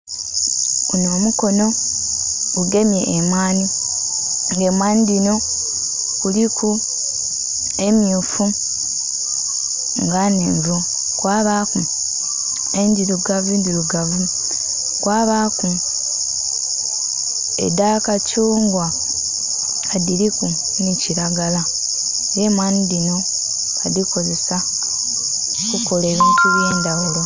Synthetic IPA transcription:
unoːmuko̞no̞ | ɡuɡe̞mje̞̰ʔːmaːni | ŋɡe̞mwaːnidino̞ | kulikʰu | e̞mjuːfu | ŋɡaneːɱvo | kwaːβaku | eɲɟiɾuɡavundiɾuɡavu | kwaːβaku | ḛdakacuːŋɡwa | adiliku | niciɾaɡala | jemwaːnidino̞ | adiko̞ze̞sa | kuko̞leβiːntuβje̞ːndawulo̞

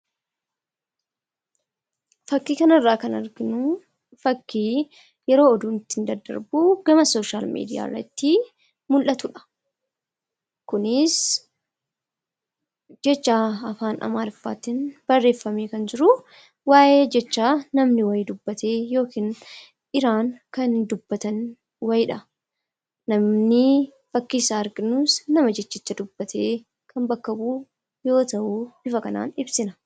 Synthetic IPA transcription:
fɐkːiːkɐnɐrːaːkɐnɐɾɡɪnʊ | fɐkːiː | jɛɾo̞ːɔd̪uːnɪt̪ːɪɪnd̪ɐd̪ɐ̰ɾbuɡɐmɐso̞ːʃaːlmḭːd̪ɪja̰ːrːɐ̰t̪ːi | mʊlʔɐt̪ʊᶑɐ̥ | kʊnɪs | d͡ʒɛt͡ʃːaːɐfaːnʔɐ̰maːdɪfːa̰ːt̪ɪnb̥ɐrːe̞ːfːɐmeːkɐnd͡ʒɪɾʊ | waːʔeːd͡ʒɛt͡ʃːaːnɐmnɪwɐjɪd̪ʊbːɐt̪ʰeːjo̞ːkiːn | ʔɪɾaːŋkɐnd̪ʊbːɐt̪ɐn | wɐjᶑɐ | nɐmnɪ | fɐkːiːsaːɾɡɪnusnɐmɐd͡ʒɛt͡ʃːɪt͡ʃːɐd̪ʊbːɐt̪ʰeː | kɐmbɐkːɐbuː | jo̞ːt̪ɐʔuːb̥ɪfɐkɐna̰ːnɪbsɪnɐ

